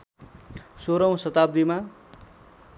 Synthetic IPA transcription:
soɾʌw̃sʌt̪ab̚d̪ima

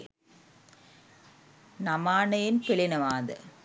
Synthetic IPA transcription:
nɐmaːnɐjɪnpɪɭɪnɐʋaːðɐ̰

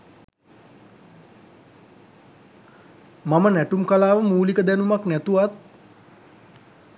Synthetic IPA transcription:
mamənæʈumkalaːʋəmuːlikəd̪ænumaknæt̪uʋat̪̚

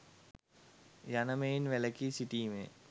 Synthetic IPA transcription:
janəmeinʋɛləkisiʈiːmḛ̃ː

